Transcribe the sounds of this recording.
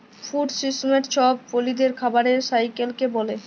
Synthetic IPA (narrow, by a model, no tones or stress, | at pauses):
fuɖsismeʈt͡ɕʰɔb̚folid̪eɾkʰabaɾeɾsajkelkebɔle